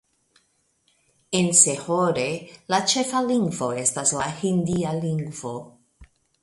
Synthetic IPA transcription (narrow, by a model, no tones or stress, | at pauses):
ense̞hoɾe̞lat͡ʃe̞faliŋɡvo̞e̞staslahindialiŋɡvo̞